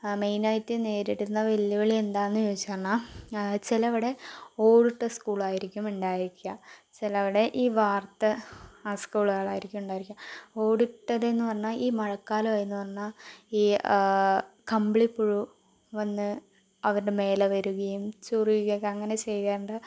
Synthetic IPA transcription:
mejnɐjtːɨne̞ːɾiɽunːɐʋelːuɣɐɭie̞nd̪aːnːɨjoːit͡ɕːaːrɳat͡ɕilɐʋiɽe̞o̞ːɽiʈːɐskuːɭaːjiɾikʲːumuɳɖaːjiɾikʲːuɐt͡ɕelɐʋiɽe̞ʔiːʋaːrt̪ːɐaskuːɭaːɭaːjiɾikʲːumuɳɖaːjɾikʲːao̞ːɽiʈːɐðe̞nːɨpɐrɐɲːaʔiːmɐɻɐkːaːlɐʋajenːɨpɐrɐɲːaiː | kɐmbɭipːuɻu | ʋɐnːɨ | ɐʋɐɾuɽe̞me̞ːleɐʋɐɾuɣɐjumt͡ɕurijuɣɐkɐŋːɐne̞t͡ɕe̞jtaːɳɖɐ

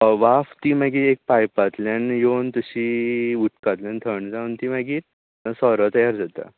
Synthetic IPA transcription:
ʋaft̪imaɡiːek̚pajpat̪ljanjont̪əɕiːuʈkat̪ljãnt̪ʰəɳd͡zaunt̪imaɡiːɾ | sɔɾət̪əjaɾd͡zat̪a̰

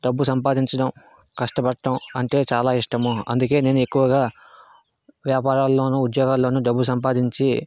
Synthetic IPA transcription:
ɖɐbːusɐmpaːd̪iɲt͡ʃɐɽɐm | kɐʂʈɐbɐʈʈːɐmɐɳʈe̞ːt͡ʃaːlaːiʂʈɐmuɐ̰nd̪uke̞ːneːnue̞kːuʋɐɡaː | ʋjaːpaːɾaːlːo̞ːnuud̪jɔːɡaːlːo̞ːnuɖɐbːusɐmpaːd̪iɲt͡ʃi

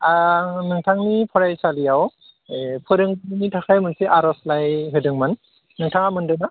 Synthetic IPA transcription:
aŋnɯŋtʰaŋnipʰɔɾajsalijaw | pʰɯɾɯŋbnitʰakʰajmɯnsiʔaɾɔslajɦɯdɯŋmanː | ɯŋtʰaŋamɯndɯna

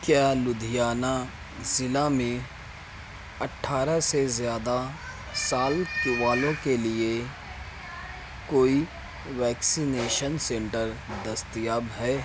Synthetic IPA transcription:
kjaːlʊd̪ʱijaːna | zɪlamẽ | ɐʈʰːaːɾasezjaːd̪a | saːlkʊʋaːlõkelie | koːi | ʋɛːksineːʃənsɛ̃ɳʈəɾd̪ɐst̪jaːbɦɛː

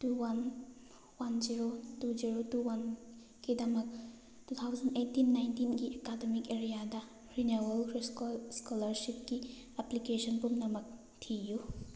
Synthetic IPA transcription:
tuwan | wanziɾotuziɾotuwan | ɡ̥idɐmɐk̚ | tut̪ʰawzɐnejtːinːajntinɡiʔekademikeɾijadɐ | ɾinewɐlɾskolɐɾsip̚ki | ɛplikesɔnpumnɐmɐk̚ | tʰiju

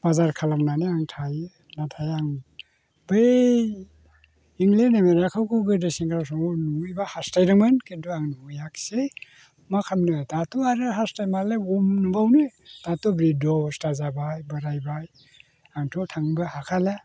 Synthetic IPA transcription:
b̥azaɾkʰalamnaniaŋtʰajɯ | natʰajaŋ | be | iŋlenemeɾakʰawkʰubɯdesiŋkʰɾaws̬ɔŋɔnuŋɯjbahastajɾɯmɯnkintuaŋnuŋɯjakse | makʰamnɯtatuaɾɯɦastajmaleumnubawnɯtatubɾidɔwstazabajbɯɾajbaj | aŋtʰɔtʰaŋbɯhakʰala

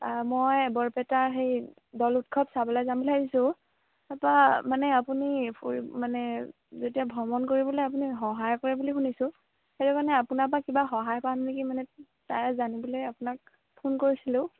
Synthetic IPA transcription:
aɹmojbɔɹpɛtaɹɦej | dɔlut̚kʰɔpsabɔlɔjzambɔladisʊ̃ | tapamanɛapunipʰomanɛ | zotiabʱɔmɔnkoɹibɔlɔjap̬unixɔɦajkɔɹɛbulixunisʊ̃ | xeɹukanɛapunapakibaxɔɦajkaannekimanɛ | tajzanibɔlejapʊnak̚ | pʰunkoɹisilʊ̃

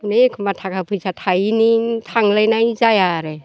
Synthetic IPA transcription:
nekʰɯmbat̪ʰakʰapʰɯjsʰatʰajnit̪ʰaŋləjnajzajaɾe

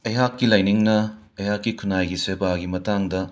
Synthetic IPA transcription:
ɐjɦakːilɐjniŋnɐ | ɐjɦakːikʰunajɡisebaɡimɐtaŋdɐ

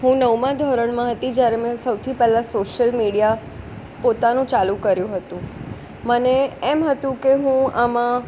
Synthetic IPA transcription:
ɦũnəwmãd̪ʱɔɾəɳ̃mãɦət̪id͡ʒjaɾemɛ̃səwt̪ʰipɛlãsoʃəlmiɽija | pot̪anũt͡ʃalũkəɾjũɦət̪ũ | məneɛmɦət̪ũkeɦũamã

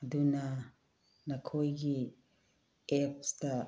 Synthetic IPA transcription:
ɐduna | nɐkʰojɡi | ɛp̚sdɐ

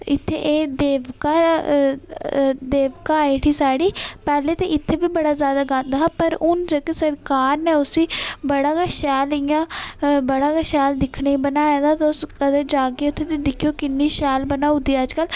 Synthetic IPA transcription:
ɪt̪ʰːḛʔeːd̪eːʋkaː | d̪eːʋkaːiʈʰiːsaːɽiːpɛːleːt̪eːʔɪt̪ʰːeːʋiːbəɽaːzjaːd̪aːɡad̪aːɦpəɾʊnd͡ʒəkesəɾkaːɾneːʊsiːbəɽaːkaːʃɛːlɪjãːbəɽaːkaːʃɛːld̪ɪkʰɽeibənaːjaːd̪aːt̪ːʊskəd̪eːd͡ʒaːkeːʊt̪ʰːeːt̪ed̪ɪkʰːijoːkɪnːiːʃɛːlbənaːũd̪iːəd͡ʒkəl

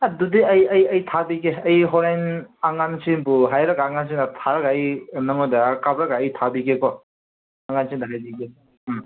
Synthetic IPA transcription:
adudiɐjɐjɐjtʰabikeɐjɦɔɾajnaŋansinpuɦajɾaɡaːŋans̬inatʰaɾaɡaːjnɐŋɔdakabɾaɡaːjtʰabikekɔ | aŋansindaɦajdiɡe

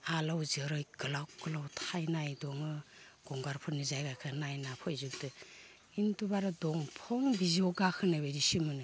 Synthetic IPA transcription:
alawzɯɾɯjɡɯlawɡ̥ɯlawtʰajnajdɔŋɯɡ̥ɔŋɡaɾpʰɯnizajɡakʰɯnajnapʰɔjzuk̚dɯ | intubaɾɯdɔŋpʰɔŋbiziɔɡakʰɯnɯbejɾisimɯnɯ

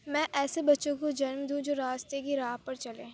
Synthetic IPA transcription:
mɛ̃ːʔɛːsebɐtːʃõkod͡ʒɐnmd̪ũd͡ʒoːɾaːst̪ekiɾaːɦpɐɾt͡ʃɐleː

